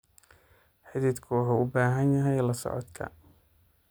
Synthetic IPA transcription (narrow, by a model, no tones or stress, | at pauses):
ħɪd̪iːd̪kʰʊwɑħuːʊbaːɦɐnjɐɦɛjlɐsɔ̰ʕɔ̰d̪kʰɐ̰